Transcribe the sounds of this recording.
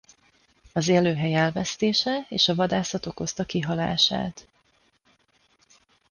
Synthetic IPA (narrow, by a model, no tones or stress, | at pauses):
ɒzɛløːɦɛjɛlvɛst̪eːʃɛeːʃɒvɒd̪aːsɒt̪o̞ko̞st̪ɒkiɦɒla̰ːʃa̰ːt̪